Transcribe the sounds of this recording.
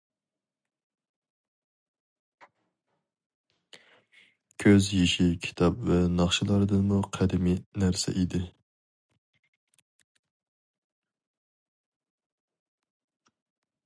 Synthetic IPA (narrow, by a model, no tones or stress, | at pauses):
kʲʰøzjeʃikʲʰi̥t̪ʰɑpvɛnɑχʃɪlˠɑɾɨd̪ɨnmuqʰæd̪ɪminæɾsɛ̰ʔid̪ɪ